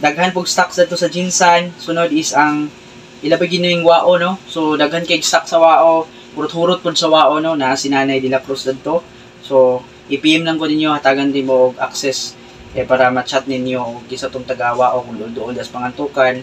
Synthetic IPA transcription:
d̪ɐɡhanp̬ʊɡst̪aksd̪ɐd̪̚t̪osɐd͡ʒɪnsɐnsʊnod̪ɪsʔɐŋ | ʔɪlɐbɪɡɪnːɐmɪŋwaːʔono̞sod̪ɐɡhankɐɪɡ̚st̪ak̚sɐwaːʔo̞ | pʊɾʊt̪huːɾʊt̪̚pʊd̪̚sɐwaːʔono̞nɐʔasɪnaːnɐjd̪ɪlakɾosd̪ɐd̪̚t̪o̞ | so̞ | ʔɪpiʔɛmlɐŋkonɪnjo̞hɐt̪aːɡɐnd̪ɪnmoʔoɡʔa̰k̚sɛs | ʔɛpaːɾɐmɐt͡ʃat̪̚nɪnjo̞kɪsɐt̪oŋt̪ɐɡawaːʔokʊŋd̪ond̪oʔond̪ɐspɐŋɐnt̪uːkan

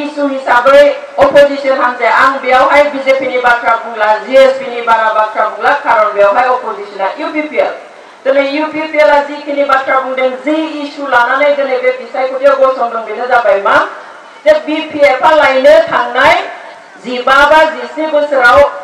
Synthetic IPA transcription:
isuhisabɯj | ɔpʰɔzisɔnɦanzaaŋbijawɦajbizepʰinibatʰɾabuŋlaziesbinibaɡabatʰɾabuŋlakʰaɾɔlbijawɦajɔpʰɔzisɔnajupʰipʰiel | tɯnejupʰipʰielazikʰinibatʰɾabuŋdɯŋziːsulananajdɯneɡeɡisajkʰɔtiɔɡɔsɔŋdɔŋbitʰazabajma | zebipʰieɾpʰalajnɯkʰaŋnaj | zibabazisibɯsɯɾaw

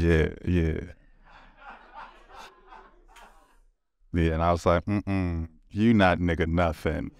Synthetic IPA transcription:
jæ̰jæ | jæɨ̃naɪwʌz̥laɪk̚m̩m̩ | jɨnət̚ⁿnɪkɨnʌfɪ̰̃ŋ

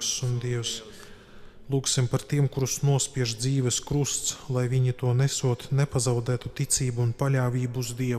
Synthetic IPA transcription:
ksund̪iɛws | lˠuːksimpaɾt̪iɛmkuɾusnuɔspʲiɛʒd̪ziːʋɛskɾust̪slˠajvʲiɲit̪uɔnɛsuɔt̪nɛpazawd̪æːt̪ut̪it̪siːbuːnpalʲaːvʲiːbuuzd̪iɛ

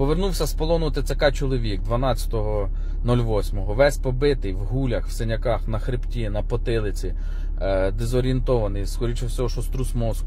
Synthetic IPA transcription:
pɔʋernuwsʲɐspɔlˠɔnʊt̪ɪt̪sʲɛkɑjt͡ʃɔlˠɔʋʲik̚d̪ʋɐnɑt͡sʲɐ̥t̪ɔɦɔ | nɔlʲʋɔsʲmɔɦɔʋɛsʲpɔbɪt̪ɪjʋɦulʲɐxw̥senʲɐkɑxnɐxɾɪptʲinɐpɔt̪ɪlˠɪt͡sʲi | d̪ezɔɾʲient̪ɔʋɐnɪjskɔɾʲit͡ʃɐwsʲɔɦɔʃɔst̪ɾusmɔsk

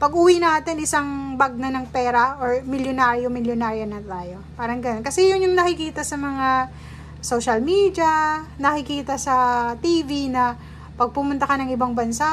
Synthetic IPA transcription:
pɐɡʔʊwinaːt̪ɪnɪsaŋbaɡ̚nɐnɐŋpɛːɾɐʔoɹmɪljonaːɾɪjomɪljonaːɾjɐnɐt̪aːjo̞paːɾɐŋɡɐnonkɐsɛjʊnjʊŋnɐkɪkiːt̪ɐsɐmɐŋa | soʃɐlmiːd̪jɐnɐkɪkiːt̪ɐsɐt̪iːvinɐ | pɐɡ̚pʊmʊnt̪ɐkɐnɐŋɪbaŋbɐnsa

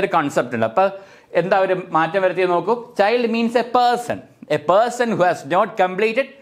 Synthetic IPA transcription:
ɾukɐːɳsep̚ʈuɳɖɨɐpːɐ | end̪aːʋɐɾumaːtːɐmʋɐɾɐt̪ːieno̞ːkːut͡ɕɐjlɖmiːnsepeːɾsɐ̰̃n | epɐːsɐnhuːhæsnoːʈ̚kɐmpliːʈɪɖ

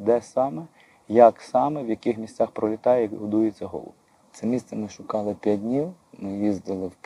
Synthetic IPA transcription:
d̪ɛsɑmɛ | jɐksɑmɛwjɐkɪxmʲisʲt̪ʲt͡sʲɑxpɾɔlʲɪt̪ɑjɛɦɔd̪ujʊt͡sʲːɐɦɔ̰lˠɔ̰ʋ | t̪sɛmʲist̪sɛmɪʃʊkɑlˠɪpʲjad̚ʲdʲnʲiw | mɪjizd̪ɪlˠɪw

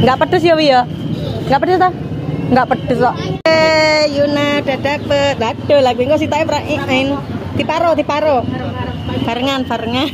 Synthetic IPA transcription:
ŋɡaʔpəɖ̥ʊsjɔwijɔ | ŋɡaʔpədʊst̪a | ŋɡaʔpəɖ̥ʊswaʔejunaɖ̥aɖ̥apəd̪aɖ̥ɔ̤laɡuiŋkɔs̬it̪aepɾaʔiaɪn | t̪ipaɾɔt̪ipaɾo | faɾəŋanfaɾəŋan

